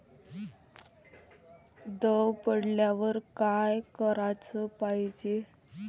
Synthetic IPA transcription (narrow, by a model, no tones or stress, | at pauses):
d̪əwpəɽljaʋəɾkajkəɾat͡səpaɦid͡ʑe